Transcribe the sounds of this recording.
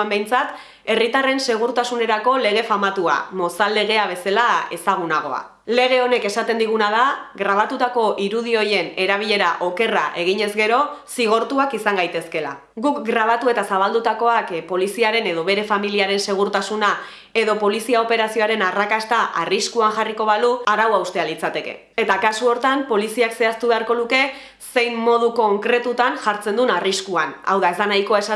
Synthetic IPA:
ambe̞jnt͡sat̪ | e̞rit̪are̞nse̞ɣ̞uɾt̪asune̞ɾako̞le̞ɣ̞e̞famat̪ua̰mo̞sale̞ɣ̞e̞aβ̞e̞salae̞saɣ̞unaɣ̞o̞̰a̰ | le̞ɣ̞e̞o̞ne̞ke̞sat̪e̞nd̪iɣ̞unað̞aɣɾaβ̞at̪ut̪ako̞ʔiɾuð̞io̞je̞ne̞ɾaβ̞iʎe̞ɾaʔo̞ke̞raʔe̞ɣ̞iɲe̞zɡe̞ɾo̞siɣ̞o̞ɾt̪uakisaŋɡajt̪e̞ske̞la̰ | ɡukɡɾaβ̞at̪ue̞t̪asaβ̞ald̪ut̪ako̞akpo̞lisiaɾe̞ne̞ð̞o̞βe̞ɾe̞familiaɾe̞nse̞ɣ̞uɾt̪asuna | e̞ðo̞po̞lisiao̞pe̞ɾasio̞aɾe̞narakast̪aʔariskuaŋʝariko̞βaluaɾawawst̪e̞alit͡sat̪e̞ke̞̰ | e̞t̪akasuo̞ɾt̪ampo̞lisiakse̞ast̪uβe̞aɾko̞luke̞ | se̞jmːo̞ð̞uko̞ŋkɾe̞t̪ut̪anʝaɾt͡se̞nd̪unariskuana̰wðae̞zd̪anajko̞aesa

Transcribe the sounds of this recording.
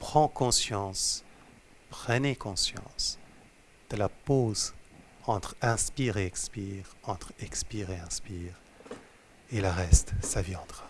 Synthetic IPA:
pχɑ̃kɔ̃sjɑ̃s | pχənekɔ̃sjɑ̰̃s | d̪̥əlapoz | ɑ̃t̪χɛ̃spiʁeɛkspiʁɑ̃t̪χɛkspiʁeɛ̃spiːʁ | eləʁɛst̪saviɑ̃t̪ʁḁ

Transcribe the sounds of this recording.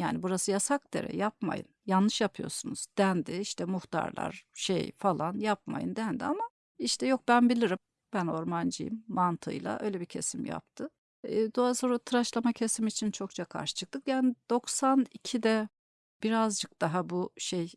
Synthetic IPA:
ja̰ːnibuɾasɯjasak̚d̪ḛɾɛ̰jap̚ma̰jɯ̰njanːˠɯʃjapʰɯjosunuz̥d̪̥ænd̪ɪiʃt̪ʰɛmuxt̪ʰa̰ɾlˠa̰ɾ̥ʃḛjfalˠanjap̚ma̰jɯ̰nd̪ænd̪iama | iʃt̪ʰɛjo̞k̚bænbilʲiɾim | b̥æno̞ɾmand͡ʒɯ̰jɯ̰mːant̪ʰɯ̰jlˠa̰ʔø̞jlʲɛbicʰe̞̰simja̰p̚t̪ʰɯː | d̪oasoɾat̪ʰɯɾaʃlˠamacʰe̞simit͡ʃʰint͡ʃʰo̞k̚t͡ʃʰakʰa̰ɾʃɯ̥t͡ʃʰɯ̥k̚t̪ʰɯkjaːnid̪̥o̞ksanicʰid̪ɛ | b̥iɾazd͡ʒɯk̚d̪̥aɦabuʃej

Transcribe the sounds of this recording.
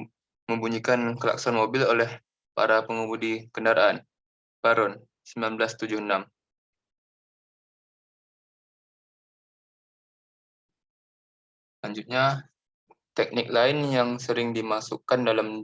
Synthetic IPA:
məmbuɲikankəla̰ksanmobɪlolɛh | pa̰ɾapəŋubudikəndaɾaʔan | baɾɔn | səmilanblast̪ud͡ʒʊhənam | laɲd͡ʒut̪̚ɲa | t̪ɛk̚nɪk̚laɪnjaŋsəɾɪŋdimasukandalam

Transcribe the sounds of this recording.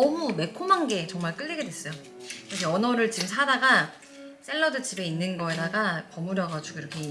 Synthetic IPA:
ʌmume̞kʰomaŋɡe̞t͡ɕʌŋmaɭk͈ɯɭːiɡedwe̞s͈ʌjo | kɯɾʌkʰeʌnʌɾɯɭt͡ɕiɡmsʰadaɡa | s͈e̞ɭːʌdɯt͡ɕʰibeinːɯnɡʌe̞daɡapʌmuɾjʌɡad͡ʑuɡoiɾʌkʰe̞

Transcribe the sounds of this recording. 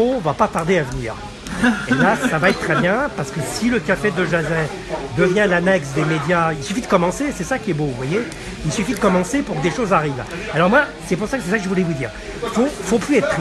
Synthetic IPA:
ɔ̃vapat̪aʁd̪eavənḭːʁ | elasavaɛtt̪ːχɛbjɛ̃paʁsə̥kəsiləkʲafed̪əʒazɛ̃ | d̪əvjɛ̃lanɛksd̪emed̪jailsyfid̪əkɔmɑ̃sesɛsakʲiɛbovwaje | ilsɥyfid̪əkɔmɑ̃sepuʁkəd̪eʃozaʁiv | alɔʁmwasɛpuʁsaksɛsakəʒəvulɛvud̪ḭːʁ | fofoplyɛt̪

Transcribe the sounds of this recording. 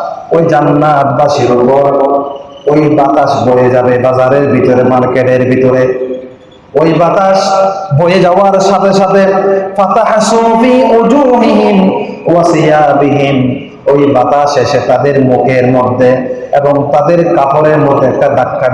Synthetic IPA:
ojd͡ʑanːat̪baʃiɾobɔɾ | ojbat̪aʃbojed͡ʑabebazaɾeɾbʱit̪ɔɾemaɾkeɖeɾbʱit̪ɔɾe | ojbat̪aʃbojed͡ʑawaɾʃat̪eʃat̪efat̪aħsufiːʔud͡ʑuːɦiɦim | wasijaːbiɦim | ojbat̪aʃeʃet̪ad̪eɾmukeɾmɔd̪ʱːeebɔŋt̪ad̪eɾkafʰoɾeɾmɔd̪ʱːeɛk̚ʈaɖ̪akʰːa

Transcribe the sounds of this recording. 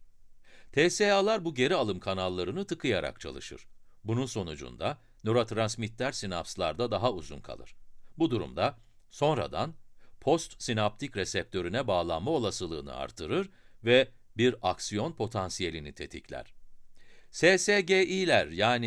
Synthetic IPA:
t̪ʰeːsealˠaɾbuɟe̞ɾialˠɯmkʰanalˠːaɾɯnɯt̪ʰɯkʰɯjaɾa̰k̚t͡ʃʰa̰lˠɯ̰ʃɯ̰ɾ̥bununso̞nud͡ʒṵnd̪a | noɾot̪ʰɾansmit̪ʰlʲæɾsinapslˠaɾd̪ad̪aɦauzṵnkʰa̰lˠɯ̰ɾ̥bud̪uɾṵmd̪a | so̞nɾa̰d̪anpʰo̞st̪sinap̚t̪ʰicɾɛsɛp̚t̪ʰø̞ɾynɛbaːlˠanmao̞lˠasɯlˠɯ̰ːnɯ̰a̰ɾt̪ʰɯɾɯɾvɛ | biɾaksijo̞npʰo̞t̪ʰansije̞lʲinit̪ʰe̞t̪ʰiclʲæ̰ɾ̝̥ | seːseɟeʔilʲæɾjaːni

